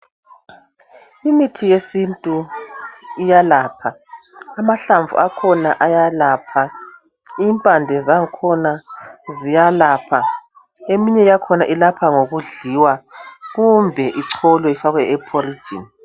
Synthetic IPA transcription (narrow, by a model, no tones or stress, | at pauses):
imitʰijesintʼu | ijalaːpʰaː | maɬaɱvʱṵakʰɔnaʔajalaːpʰa | iːmpʼandʱɛzaŋkʰɔnazijalaːpʰa | emiɲɛjakʰɔnaʔilapʰaŋoɣuɮiwaɣumbʱɛʔiǀʰɔlwɛifaɣwɛɛpʰʼɔri̥d͡ʒʱḭn